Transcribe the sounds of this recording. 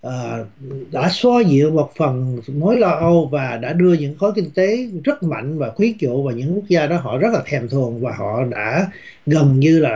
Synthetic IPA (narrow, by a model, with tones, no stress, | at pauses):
ʔəː˨˩ɗa̰ː˧˥swa˧zḭ˧˨əwmo˨˩t̚fə˨˩nmo˨˦jlɔ˧ʔə˧wvaː˨˩ɗa̰ː˧˥ɗɨ˧əɲɨ̰˧˥ŋxɔ˨˦jkï˧ŋ̟t̪e˨˦zə˦˥t̚ma̰˧˨jŋ̟vaː˨˩xwi˨˦t͡ɕṵ˧˨vaː˨˩ɲɨ̰˧˥ŋku˦˥ək̚zaː˧ɗɔ˨˦ɦɔ̰˧˨zə˦˥laː˨˩t̪ʰɛ˨˩mt̪ʰɨ˨˩əŋvaː˨˩hɔ̰˧˨ɗa̰ː˧˥ | ɣə˨˩nɲɨ˧laː˨˩